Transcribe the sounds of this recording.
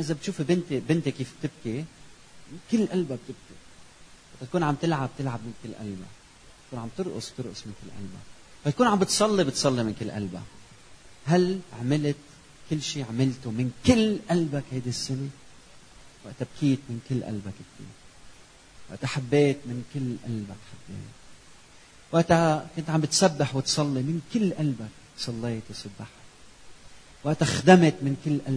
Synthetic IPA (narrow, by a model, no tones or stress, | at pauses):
ʔɪzabɪt̪ʃuːfbɪnt̪bɪnt̪ekːiːfb̚t̪ɪb̚ki | ɪkɪlːʔalbab̚t̪ɪb̚kiwaʔt̪at̪̚kuːnʕamt̪ɪlʕab̚t̪ɪlʕab̚mɪnkɪlːʔa̰lba̰ | t̪kuːnʕamb̚t̪ɨɾʔʊ̰sb̥̚t̪ɨɾʔʊsmɪnkɪlːʔa̰lba̰ | fat̪kuːnʕambɪt̪sˤɑlːibɪt̪sˤɑlːimɪnkɪlːʔa̰lba̰ | ɦalʕamɪlɪt̪ | kɪlːʃiːʕamɪlt̪ʊmɪnkɪlːʔalbakhajd̪isːɪne | waʔt̪ab̚kʰiːt̪mɪnkɪlːʔa̰lbakɪkt̪ḭːɾ | wa̰ʔt̪ʔaħabːeːt̪mɪnkɪlːʔa̰lbakħabːḛːt̪ | waʔt̪akʊnt̪ʕambɪt̪sabːaħwɪt̪sˤɑlːimɪnkɪlːʔalbak̚ | sˤɑlːeːt̪sʊbːaħa | waʔt̪axd̪amt̪mɪnkɪlːʔal